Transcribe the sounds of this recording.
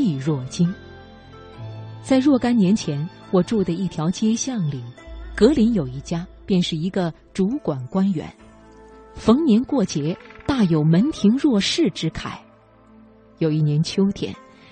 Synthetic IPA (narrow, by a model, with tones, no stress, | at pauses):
i˥˧ɻwɔ˥˩t͡ɕi˥n | t͡sa˥˧ɪɻwɔ˥˩ka˥nnjɛ˧˥nt͡ɕʰjɛ˧˥n | xwɔ˨˩ʈ͡ʂu˥˩d̪ə˩i˥˩t̪ʰjɑ˧˥ʊt͡ɕjɛ˥ɕjɑ˥˩ŋli˨˩˦kɤ˧˥li˧˥njo˨˩ʊi˥˩t͡ɕja˥pjɛ˥˧nʂɻ̩˥˩i˧˥ɡə˧ | ʈ͡ʂu˧˥kwa˨˩nkwa˥nɥɛ̰˧˥˦n | fɤ˧˥ŋnjɛ˧˥nkwɔ˥˩t͡ɕjɛ˧˥t̪a˥˩jo˨˩ʊmə˧˥nt̪ʰi˧˥ŋɻwɔ˥˧ʂɻ̩˥˩ʈ͡ʂɻ̩˥kʰa˨˩˦ɪ | jo˨˩ʊi˥˩njɛ˧˥nt͡ɕʰjo˥ʊt̪ʰjɛ̰˨˩˦n